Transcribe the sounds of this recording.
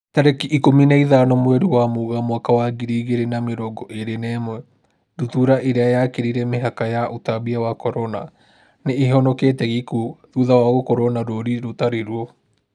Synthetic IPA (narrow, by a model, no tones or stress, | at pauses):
taɾekiʔːkominaiðanɔmwɛɾuwamuɣamwakawaɡiɾiɣeɾenameɾɔɡɔʔeɾenɛmwɛ | dutuɾaʔeɾeajakeɾiɾɛmeɦakajaʔotabiawakɔɾɔna̰ | neːhɔnɔketɛɣikuðuðawaɣokɔɾɔnaɾoɾiɾotaɾeɾuɔ